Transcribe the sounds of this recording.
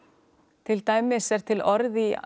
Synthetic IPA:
t̪ʰɪlt̪aːjmɪsɛɾ̥t̪ʰɪlɔɾði

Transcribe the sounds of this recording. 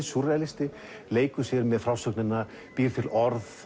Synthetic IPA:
surɛalist̪ɪ | leːjkʏsjɛɾmɛðfɾawsœknɪna | piːɾ̥t̪ʰɪlɔɾð

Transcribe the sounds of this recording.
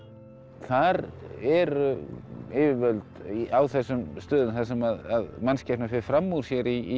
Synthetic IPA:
θaɾɛɾ | ɪːvɪvœlt̪iawθɛsːʏmst̪œːðʏnθasɛmaðaðmanscɛk̚naɾfɪɾfɾamːuɾ̥sjɛɾi

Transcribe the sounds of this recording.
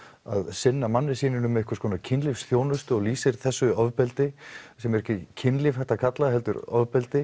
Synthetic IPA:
a̰ðsɪnːamanːɪ̥siːnɪnʏmːɛɪhkaɾ̥skʰɔːnacʰɪnlɪfsθjoːwnʏst̪ɔɣliːsɪɾθɛsːʏɔvpɛlt̪ɪsɛmɛɾɛhcɪcʰɪnlɪfhɛht̪akʰat̪laɦɛlt̪ʏ̰ɾɔ̰vpɛlt̪ɪ

